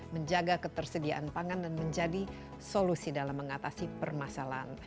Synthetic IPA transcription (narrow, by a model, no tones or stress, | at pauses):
məɲd͡ʒaɡakət̪ərsədiaʔanpaŋandanməɲd͡ʒadi | solusidalamːəŋat̪asipərmasalaa̰n